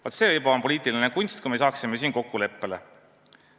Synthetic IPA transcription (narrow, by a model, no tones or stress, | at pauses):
vɑt̪se̞ːvɤjbɑmpo̞lʲiːt̪ˑilinekunʲst̪̚kujme̞jsɑːksime̞siːnko̞kːule̞pːe̞le